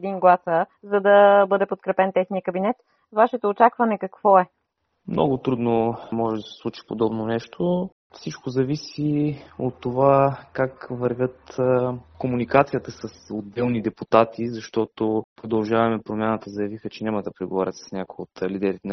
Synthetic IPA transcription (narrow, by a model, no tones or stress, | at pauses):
ɛd̪iŋɡlˠasəzɐd̪ɐbɤd̪ɛpot̪̚kɾɛpɛnt̪ɛxnijəkɐbinɛt̪ | vaʃɛt̪oːt͡ʃakvɐnɛkɐkvɔɛ | mnɔ̰ɡʊt̪ɾud̪nomɔʒɛd̪ɐsɐsɛ̥slˠut͡ʃi̥pod̪ɔbnonɛʃt̪ʰo | fsit͡ʃkozɐvisiot̪ːovakakvɐɾvʲət̪ | komunikat̪sijət̪əsəsod̪ɛlˠnid̪ɛput̪at̪izɐʃt̪ɔt̪opɾod̪ɐlˠʒavɐmɛpɾomʲjanət̪əzɐjɐvixət͡ʃɛnʲamɐd̪ɐpɾɛɡovaɾʲə̰t̪sə̥snʲakojot̪lid̪ɛɾit̪ɛn